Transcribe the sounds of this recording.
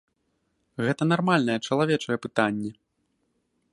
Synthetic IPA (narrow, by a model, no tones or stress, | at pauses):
ɣɛt̪ɐnarmalʲnɐjɛt͡ʂɐlˠavʲɛt͡ʂɐjɛpɨt̪anʲːɛ